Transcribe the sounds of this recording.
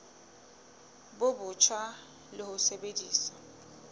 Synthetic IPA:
bʊbʊt͡ʃʰwa | lɪhʊsebediːsḁ

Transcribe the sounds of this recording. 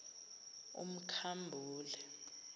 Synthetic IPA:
ṵm̩kʰambʱuːlɛ

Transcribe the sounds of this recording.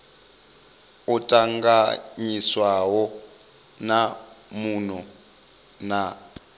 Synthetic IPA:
utʼaŋɡaɲiswawɔ | na | munɔ | na

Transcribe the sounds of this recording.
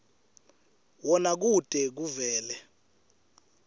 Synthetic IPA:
wɔnak̬ud̥ʱɛk̬uvɛːlɛ

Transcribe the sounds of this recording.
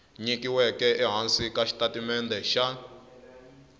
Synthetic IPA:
ɲikiwɛkɛʔɛɦansikaʃi̥tatimɛnd̪ɛʃa

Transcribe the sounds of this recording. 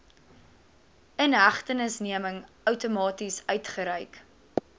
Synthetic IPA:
ənɦæχtənəsniəməŋ | œwtumɑːtisœɥtχəɾɛjk

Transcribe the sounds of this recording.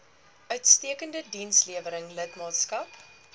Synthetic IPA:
ʔœɥtstiəkəndədinsliəvəɾəŋlətmɑːtskɐp

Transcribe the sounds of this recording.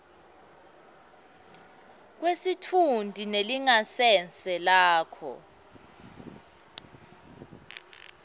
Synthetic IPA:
k̬wesitʰundʱineliŋasɛnt͡sɛlaːkʰɔ̰

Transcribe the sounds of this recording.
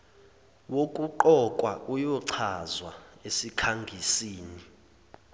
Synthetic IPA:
wokʼuǃɔkʼwaʔujɔǀʰazwaesikʰaŋɡʱisiːni

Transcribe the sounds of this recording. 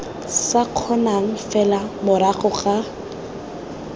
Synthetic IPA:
saq͡χʰɔnaŋ̩fɛlamʊɾaχʊχa

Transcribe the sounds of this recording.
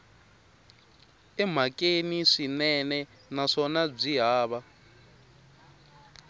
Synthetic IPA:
ɛm̤akʼeniʂinɛnɛ | naʂɔnab͡ʐiɦaːβa

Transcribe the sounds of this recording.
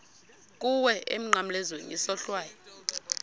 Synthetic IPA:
kʼuwɛʔem̩ŋ͡ǃam̩lɛzwenḭsɔɬwaːjɔ

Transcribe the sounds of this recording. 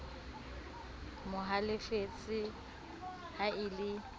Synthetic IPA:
mʊɦalɪfet͡sʼɪ | haɪlɪ

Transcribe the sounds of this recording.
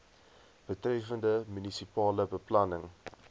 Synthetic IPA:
b̥ətrɛfəndəmynisipɑːləbəplɐnəŋ

